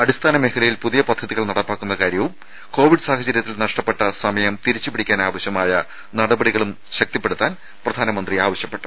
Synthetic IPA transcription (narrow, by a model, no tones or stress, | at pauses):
ɐɽist̪ʰaːnɐmekɐɭɐjilpuðijɐpɐd̪ʱːɐðiɣɐɭnɐɽɐpːaːkːunːɐkaːɾjɐʋum | ko̞ːʋiɖɨsaːhɐt͡ɕɐɾjɐt̪ːilnɐʂʈɐpːe̞ʈːɐsɐmɐjɐmt̪iɾit͡ɕːupiɽikʲːaːnaːʋɐɕjɐmaːjɐ | nɐɽɐbɐɽiɣɐɭum | ɕɐk̚t̪ɐpːeɽut̪ːaːn | prɐd̪ʱaːnɐmɐnd̪riaːʋɐɕjɐpːe̞ʈːu̥